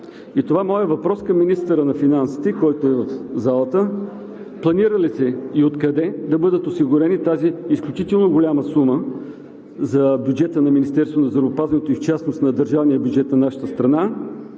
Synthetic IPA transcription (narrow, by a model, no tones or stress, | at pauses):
it̪ovamɔjəvɐpɾɔskɐmːinist̪əɾənɐfinansi̥t̪ɛkɔjt̪oɛvɐfzalˠət̪ə | plˠɐniɾəlisɛiot̪kɐd̪ɛd̪ɐbɤd̪ət̪osiɡʊɾɛnit̪aziːsklʲut͡ʃit̪ɛlˠnoɡolʲaməsumə | zɐbʲjud͡ʒɛt̪ənɐminist̪ɛɾst̪vonɐzəɾoːpazvɐnɛt̪oift͡ʃasnost̪nɐd̪əɾʒavnijəbʲjʊd͡ʒɛt̪nɐnaʃə̥t̪əst̪ɾɐna